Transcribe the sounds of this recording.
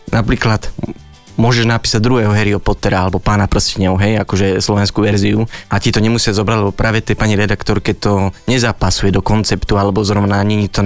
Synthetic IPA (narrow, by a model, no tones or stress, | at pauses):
napɾiːklat̪ | mʊɔʒɛʒnapiːsaɟ̚d̪ɾuɦɛːɦɔɦɛɾiɔpɔt̪ɛɾaalɛbɔpaːnapɾɔscɛɲɔʊɦɛjakɔʒɛslɔʋɛnskuːʋɛɾziuʔacit̪ɔɲɛmusɪazɔbɾaɟlɛbɔpɾʔaːʋɛt̪ɛpaɲiɾɛd̪akt̪ɔɾkɛt̪ːɔɲɛzaːpasujɛd̪ɔkɔnt͡sɛpt̪ualɛbɔzɾɔʋnaɲɛɲit̪ɔ